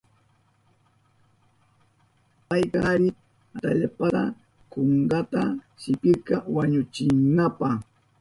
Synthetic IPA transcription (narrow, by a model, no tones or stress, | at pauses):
pajkɑɾɪ | at̪aʎapɑɢɑ | koɴɢɑt̪asɪpɪkawaɲʊt͡ʃɪŋnːapɑ